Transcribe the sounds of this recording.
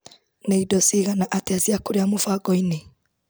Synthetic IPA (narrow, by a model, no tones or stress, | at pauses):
neidɔsiɣanaʔateaziakoɾeamofaɡɔine